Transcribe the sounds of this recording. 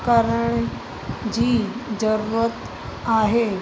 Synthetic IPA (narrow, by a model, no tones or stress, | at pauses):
kaɾəɳ | d͡ʑiːd͡ʑəɾuɾət̪ | aɦe